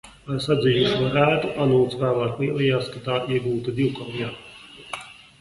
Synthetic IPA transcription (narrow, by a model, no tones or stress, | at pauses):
aɾsad̪zʲijuʃuaɾæːt̪uʔanuːt̪svæːlˠaːklˠiɛlˠijaːskat̪aːiɛɡuːt̪ad̪iwkɔlˠjaː